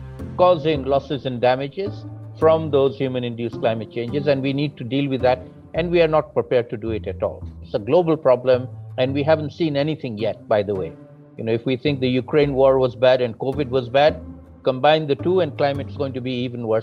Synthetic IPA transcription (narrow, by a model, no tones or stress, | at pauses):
kɔzɪ̃ŋlɔsɪzɨ̃nɖæmɪd͡ʒɪz̥fɾʌ̃md̪oːz̥hjuːmə̃nɪ̃nɖjusklãɪmɨt̚t͡ʃẽɪ̃nd͡ʒɪzɛ̃nwiniːɖ̚ʈuɖiːlwɪðːæʈ | ʔɛ̃nɖwiaɾnɔʈ̚pɾɪpɛɹɖ̚ʈuɖuɪʈɨʈɔ̰ːlɪtsəɡloːbəlpɹɔblə̃mɛ̃nɖwiɦæʋə̃nʈsĩːnɛnit̪ʰɪ̃ŋjɛʈ̚baɪd̪əwḛɪ | jɨnoɪfwit̪ʰɪ̃ŋk̚d̪əjukɾẽɪ̃nwɔːɹwɔzbæɾɨ̃n̚koːʋɪɖwɔzbæd̚ | kə̃mbãɪ̃nd̪əʈuːɛ̃n̚klãɪmɨʈsɡõːɪ̃ŋʈubiiːvə̃nwə